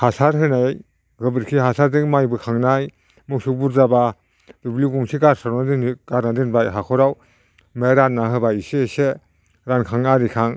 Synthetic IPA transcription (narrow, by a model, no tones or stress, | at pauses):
hasaɾɦɯnaj | ɡɯbɯɾkʰiɦasaɾdɯŋmajbɯkʰaŋnaj | muksuk̚buɾzaba | dubliɡuŋsiɡaɾsaɾnadɯnɡ̥aɾnadɯnbajɦakʰɔɾaw | meɾatnːaɦɯbaisiese | ɾankʰaŋaɾikʰaŋ